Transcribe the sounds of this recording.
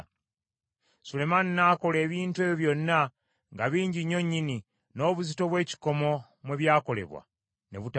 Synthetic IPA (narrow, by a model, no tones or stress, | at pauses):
sule̞maninaːko̞le̞ːβiːntwe̞ːβjoβjo̞nːa | ŋɡaβiːɲɟiɲːo̞ɲːini | no̞ːβuzito̞βwe̞ːci̥ko̞mo̞ | mweβjaːko̞le̞̰βwa̰ | ne̞̰βut